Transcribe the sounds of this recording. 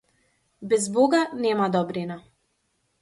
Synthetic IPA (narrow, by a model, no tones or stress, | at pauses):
bɛzboɡanɛmad̪ɔbɾina